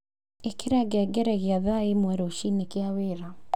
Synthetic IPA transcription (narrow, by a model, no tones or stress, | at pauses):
ekeɾaɡɛɡɛɾɛɣeaðaimwɛɾoʃinekeaweɾa